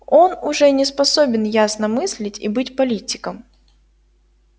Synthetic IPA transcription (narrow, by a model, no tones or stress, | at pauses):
o̞nʊʐɛnʲɪspɐsobʲɪnjasnəmɨsʲlʲɪtʲḭbɨtʲpɐlʲitʲɪkəm